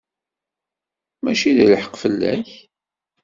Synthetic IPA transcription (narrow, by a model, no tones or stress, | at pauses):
mæʃiðiləħə̥qfəlːæ̰ç